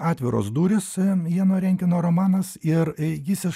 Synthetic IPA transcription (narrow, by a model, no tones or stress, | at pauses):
ɑːt̪ʲʋʲɪɾo̰ːsd̪uːɾʲɪsjiɛnoːɾʲɛŋʲkʲɪnoːɾoːmɑːnɐsɪɾjʲɪːsʲɪ